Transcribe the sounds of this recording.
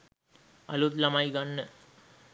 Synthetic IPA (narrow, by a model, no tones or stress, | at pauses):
ɐ̰lut̪lɐmajɡanːə